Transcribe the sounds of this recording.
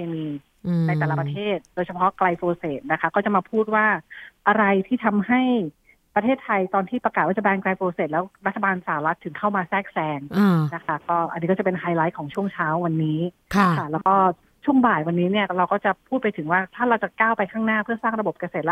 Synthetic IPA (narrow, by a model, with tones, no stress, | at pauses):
eː˧niː˧ | na˧jt̪ɛː˨˩la˦pɾa˧t̪ʰeː˥˩t̪̚doː˧jt͡ɕʰa˧pʰɔ˦˥kla˧jfoː˧seː˨˩t̪̚na˦˥kʰa˦˥kɔː˥˩t͡ɕa˨˩maː˧pʰuː˥˩t̪̚waː˥˩ʔa˧ɾa˧jt̪ʰiː˥˩t̪ʰa˧mha˥˩j | pɾa˧t̪ʰeː˥˩t̪ʰːa˧jt̪ɔː˧nt̪ʰiː˥˩pɾa˧kaː˨˩t̪waː˥˩t͡ɕa˨˩bɛː˧ŋkla˧jfoː˧seː˨˩lɛː˦˥wɾa˦˥t̪ʰːa˧baː˧nsaː˨˩a˦wɾa˦˥t̪ʰːɯ˩˦ŋkʰa˥˩wmaː˧sɛː˥˩k̚sɛː˧ŋːna˦˥kʰa˦˥kɔː˥˩ʔa˧nːi˦˥kɔː˥˩a˨˩pe˧nɦaː˧jla˦˥jkʰɔː˩˦ŋt͡ɕʰu˥˩əŋt͡ɕʰaː˦˥wːa˧nːiː˦˥ | kʰa˥˩kʰa˥˩lɛː˦˥wkɔː˥˩ | t͡ɕʰu˥˩əŋbaː˨˩jwa˧nːiː˦˥ni˥˩ɐɾa˧wkɔː˥˩t͡ɕa˨˩pʰuː˥˩t̪̚pa˧jt̪ʰɯ˩˦waː˥˩t̪ʰaː˥˩ɾa˧wt͡ɕa˨˩kaː˥˩wpa˧jkʰaː˥˩ŋnaː˥˩pʰɯ˥˩ɐsaː˥˩ŋɾa˧bo˨˩p̚ka˧seː˨˩t̪̚lɛ˦˥